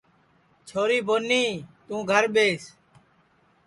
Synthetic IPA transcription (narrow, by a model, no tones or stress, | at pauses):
t͡ʃʰoːɾiːbʱoːnːiːt̪ũːɡʱəɾɓeːs